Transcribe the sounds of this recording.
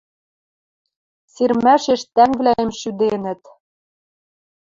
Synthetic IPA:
sirmæʃeʃt̪æŋvlæjĕmʃyd̪enɘ̆t̪

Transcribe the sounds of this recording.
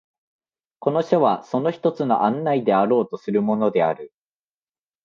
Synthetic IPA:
ko̞no̞ɕoβaso̞no̞çi̥t̪o̞t͡sɨno̞̰ʔãnːaid̪e̞aɾo̞ːt̪o̞sɨɾɯ̟mo̞no̞d̪e̞aɾɯ̟

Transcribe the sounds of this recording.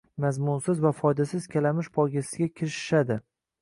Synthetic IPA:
mazmʊnsɪzvafɒjd̪asɪz̥kʲʰalamɪʃpʰɒɡʲasɪ̥ɡʲakʲʰɪɾɪʃɪ̥ʃad̪ɪ

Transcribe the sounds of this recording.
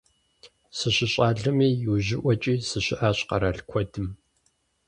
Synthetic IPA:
sɨɕɪɕʼaːɮɐmiːjuːʑɪʔʷɔt͡ʃʼiːsɨɕɪʔaːɕqɐɾaɬkʷʰɔdɨm

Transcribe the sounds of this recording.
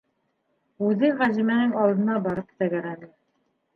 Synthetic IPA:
ʉðɘʁæzimænɘŋɑlˠd̪ɤ̆nɑbɑɾɤpt̪æɡæɾænɘ

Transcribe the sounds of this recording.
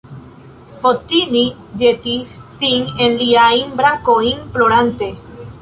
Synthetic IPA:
fot̪ini | d͡ʒet̪isθiŋenliaimbɾakoiŋploɾant̪e

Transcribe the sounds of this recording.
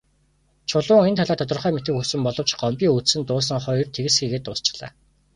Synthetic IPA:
t͡ɕʰʊɮʊːŋent̪ʰaɮaːt̪ʰɔt̪ɞ̆rχœːmet̪ɘ̆kxusɘ̆mpɔɮɞ̆wt͡ɕɢ̥ɔmpʲiːŋut͡ssɘ̆nt̪ʊːs̬ə̆ŋχɔj̆rt̪ʰeɣɘ̆sxiːɣeːt̪ːʊːst͡ɕɪ̥̆ɮ̥a̰ː

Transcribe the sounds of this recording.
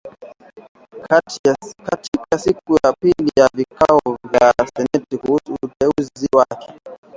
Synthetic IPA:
akatikasikujapilijavikaɔvjasɛnɛtikuhusuːtɛuziziwakʰɛ

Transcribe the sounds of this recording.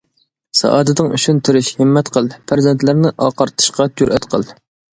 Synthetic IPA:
sɑ̰ʔɑːd̪ɨd̪ɨŋy̰t͡ʃʰynt̪ʰɪɾɪʃhɪmːɛt̪qʰəlˠpʰæɾzɛnt̪lɪɾnɪʔɑːqɑɾt̪ʰɨ̥ʃqɑt͡ʃ̪ʰyɾʔɛt̪qʰəlˠ

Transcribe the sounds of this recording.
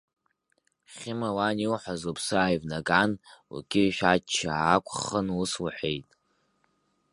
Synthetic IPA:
χʲɪmawaniwħʷazopʰsɨaːjvnaɡʼanṵkʲʼɪʃᶣat͡ʃʰːaːkʷʰʼχənʊswaħʷejtʼ

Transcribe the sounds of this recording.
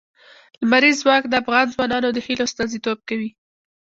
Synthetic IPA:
lmaɾizːwɑkd̪əafɣɑnzwɑnɑnod̪əhilost̪ɑnzit̪ob̚kawi

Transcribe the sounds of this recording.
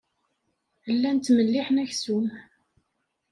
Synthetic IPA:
lːænt̪ːməlːiħnæçsum

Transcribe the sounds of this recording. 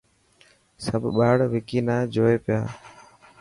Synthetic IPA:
səbʱɓaːɽʋɪkiːnaːd͡ʒoːeːpɪjaː

